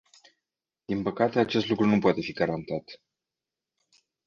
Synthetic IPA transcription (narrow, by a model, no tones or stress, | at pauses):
d̪̥inpəkat̪e̞at͡ʃe̞st̪lukɾunupoat̪e̞fiɡaɾant̪at̪